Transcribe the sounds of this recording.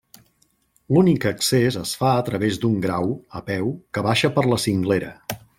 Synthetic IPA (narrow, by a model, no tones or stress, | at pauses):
lunikəksezəsfaət̪ɾəβezd̪uŋɡɾawəpɛwkəβaʃəpəɾləsiŋɡleɾə̰